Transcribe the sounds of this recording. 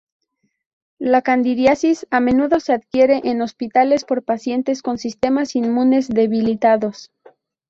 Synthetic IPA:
lakand̪iɾjasisame̞nuðo̞se̞aðkje̞ɾeʔeno̞spit̪ale̞spo̞ɾpasje̞nt̪e̞sko̞nsist̪e̞masinmũne̞zðe̞βilit̪aðo̞s

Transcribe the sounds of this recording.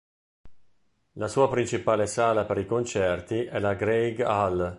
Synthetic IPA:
lasuːapɾint͡ʃipaːlesaːlapeɾikont͡ʃɛrt̪iʔɛlaɡɾejɡal

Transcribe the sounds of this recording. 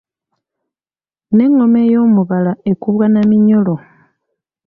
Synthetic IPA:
ne̞ŋomejomuβalaʔekuβwanamiɲolo

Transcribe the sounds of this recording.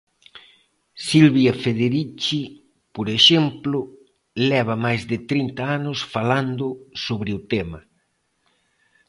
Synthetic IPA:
silβiɐfeðeɾit͡ʃi | poɾeʃɛmplʊ | lɛβ̞ɐmajzðɪt̪ɾint̪aanʊsfaland̪ʊsoβɾɪʊt̪ɛmɐ

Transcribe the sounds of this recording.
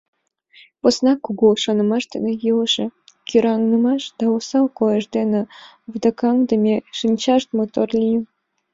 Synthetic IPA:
posnɑkuɣulʃonə̆mɑʃd̪ḛnĕjɯlʃekʲyɾɑŋnəmɑʃd̪̥ɑosɑlkojəʃd̪enĕ | βd̪ɑkɑŋd̪əmʲeʃinʲt͡ɕɑʃt̪mot̪orlʲij

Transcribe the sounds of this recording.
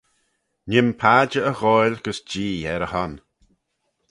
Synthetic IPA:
nɪmpʰaːd͡ʒəəɣɔjlɡ̥əsd͡ʒiːɛɾəhɔn

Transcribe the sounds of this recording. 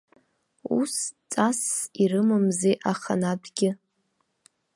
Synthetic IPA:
ṵst͡sʼasirɨmɨmzeʔaχa̰nadɡʲɪ

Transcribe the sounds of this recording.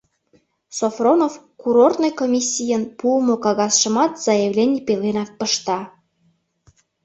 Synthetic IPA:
sofronofkuɾort̪nojkomʲisʲːijənpuəmokɑɣɑsʃə̆mɑt̪z̥ɑjəvlʲenʲipelenɑk̚pəʃt̪ɑ

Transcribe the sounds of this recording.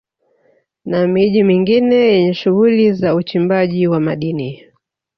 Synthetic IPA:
namiʄimiŋɡinɛjɛɲɛʃuɣulizaut͡ʃimbaʄiwamaɗini

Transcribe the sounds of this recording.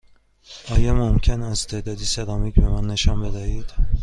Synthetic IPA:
ɒːjɒmomcʰenæzt̪ʰed̪ɒːd̪iːsed̪ɒːmecʰbemænːe̞ʃɒnbe̞d̪æhiːd̪̥

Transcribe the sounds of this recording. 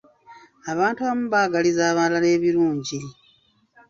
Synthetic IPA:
aβaːntuβamuβaːɡalizaːβalale̞ːβiɾuːɲɟi

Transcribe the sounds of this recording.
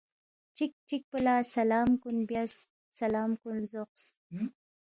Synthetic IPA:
t͡ʃik̚t͡ʃik̚pəlaːsalɑːmkunbjasː | alɑːmkunzoq̚s

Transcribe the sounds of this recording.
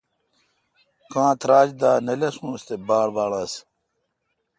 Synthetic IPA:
kãːt̪ɾaːd͡ʑd̪aːnɐlɐsũːst̪ebaːlʋaːlɐs

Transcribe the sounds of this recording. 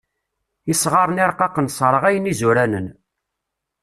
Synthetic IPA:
isʁɑɾˤniɾˤqɑqənsˤɾˤəʁæjənizuɾænən

